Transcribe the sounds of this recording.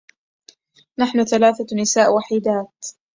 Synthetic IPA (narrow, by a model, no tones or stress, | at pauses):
naħnʊθalaːθanɪsaːʔwaħiːd̪aːt̪